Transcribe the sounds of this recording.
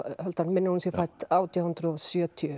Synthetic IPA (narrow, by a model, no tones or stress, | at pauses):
hœlt̪anmɪnːɪhunsjɛfajt̪aːwt̪ijahʏnt̪ɾʏɔsjœːt̪ʰiʏ